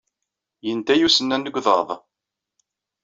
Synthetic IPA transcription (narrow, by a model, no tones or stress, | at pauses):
jənt̪æjusənːænːəɡʷðˤə̰ðˤ